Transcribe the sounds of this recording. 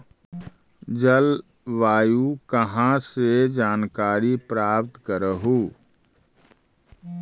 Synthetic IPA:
d͡ʒəl | ʋaːjukəɦãsed͡ʒaːnkaːɾipɾaːp̚t̪kəɾəɦuː

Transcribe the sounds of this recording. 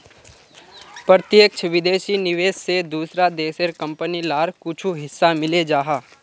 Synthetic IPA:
pɾət̪jəkt͡ʃʰʋɪd̪eːʃinɪʋeːssed̪uːsɾad̪eːseɾkə̃mpənilaːɾkʊt͡ʃʰuɦɪsːamɪled͡ʒaːɦaː

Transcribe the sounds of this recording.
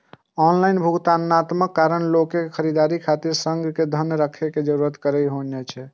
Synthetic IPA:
ɔnlainbʱuɡt̪anːat̪məkːaɾənlokekʰəɾid̪aɾikʰat̪iɾsəŋɡked̪ʱənjɾəkʰeked͡ʒəɾuɾət̪kəɾəɦonɛt͡ʃʰɛ

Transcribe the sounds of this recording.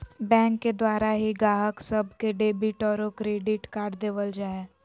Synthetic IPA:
bɛ̃ːŋkːed̪waːɾaɦiɡaːɦəksɐbkeɖeːbɪʈɔːɾõkɾeːɖɪʈkaːʈd̪eːʋəld͡ʒaːɛ

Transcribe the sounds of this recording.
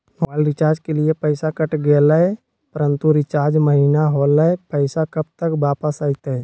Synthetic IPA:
malɾɪt͡ʃaːɾd͡ʒkeliepəɪsakəʈɡeːləe | pəɾə̃nt̪uɾɪt͡ʃaːɾd͡ʒməɦinaɦoləepəɪsakɐb̚t̪əkbaːpəsaːit̪əɛ

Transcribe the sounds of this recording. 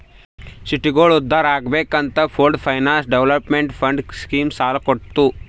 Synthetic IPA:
siʈiɡoːɭud̪ʱːaːɾaːɡbeːkɐnt̪ɐpʰoːlɖpʰɐjnaːnsɖeʋlɐpmeɳʈpʰɐɳɖskiːmsaːlɐkoʈt̪u

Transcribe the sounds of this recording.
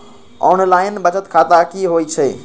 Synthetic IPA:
ɔːnlaːɪnbət͡ʃət̪kʰaːt̪akiɦoːit͡ʃʰeː

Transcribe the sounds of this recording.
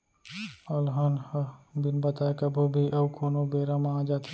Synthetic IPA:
ɐlɦənhbinbɐt̪aekɐbʱubʱiʔɐbkʰoːnobeːɾamãd͡ʒaːt̪

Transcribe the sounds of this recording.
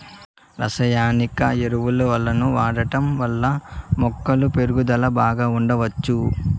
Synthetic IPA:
ɾɐsɐjaːnikɐeɾuʋulɐʋɐlːɐnuʋaːɽɐʈɐmʋɐlːɐmɔkːɐlupe̞ɾuɡud̪ɐlɐbaːɡaːuɳɖɐʋɐt͡ʃːu

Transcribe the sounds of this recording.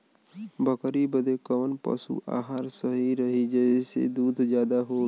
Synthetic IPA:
bʱəkɾibəd̪ekəːnpə̰sṵʔa̰ːɦaɾsəɦiɾəɦid͡ʒɛesḛd̪uːd̪ʱd͡ʒjaːd̪aɦoː

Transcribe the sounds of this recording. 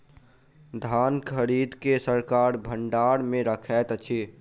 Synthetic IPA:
d̪ʱaːnkʰəɾid̪kesəɾkaːɾbʱəɳɖaɾmẽɾəkʰɛt̪t͡ʃʰi

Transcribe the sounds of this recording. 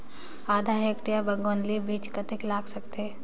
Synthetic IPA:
aːd̪ʱaɦekʈijabɐŋɡonlibiːt͡ʃkɐt̪ɪklaːɡsɐkt̪eː

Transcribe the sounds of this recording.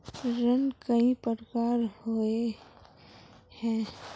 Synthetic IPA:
ɾənkəĩpəɾkaːɾhoe | hɛ̃ː

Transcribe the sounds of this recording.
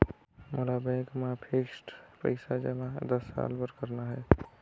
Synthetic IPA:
molabãjkmapʰeksʈpə̰ɪsad͡ʒɛmad̪əsa̰lpəɾkəɾnaɦə

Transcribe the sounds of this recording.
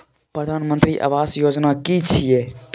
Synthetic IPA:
pɾəd̪ʱaːnmənt̪ɾiʔa̰ʋaːsjoːd͡ʒnakit͡ʃʰiet̪

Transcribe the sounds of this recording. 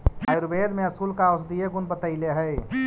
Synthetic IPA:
ajɾubed̪meəsulkaʊsd̪ijeɡunbət̪əɪleɦəj

